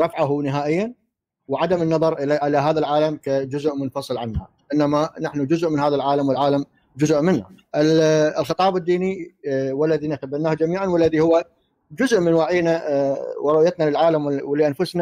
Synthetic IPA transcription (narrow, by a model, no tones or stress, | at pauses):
ɾˤɑfʕaɦunɪɦaːʔɪjːan | wʕad̪amɪnːɑðˤɑɾˤʔɪlaʔɪlaɦaːðalʕaːlamkad͡ʒʊzʊʔmʊnfɑsˤɨlʕanha̰ | ʔɪnːamanaħnud͡ʒʊzʔmɪnɦaːðalʕaːlamwɪlʕaːlam | d͡ʒʊzʔmɪnːaʔɪllxɨt̪ˤɑːbɪd̪ːiːniwalːaðinat̪abanːaːhd͡ʒamiːʕanwalːaðihʊwːa | d͡ʒʊzʔmɪnwaːʕɪjːnawɾˤʊʔjat̪nalɪlʕaːlamwlɪʔanfʊsna